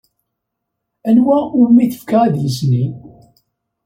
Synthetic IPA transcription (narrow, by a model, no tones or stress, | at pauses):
ænwæʊɾmiθə̥fkaʁæðləsnin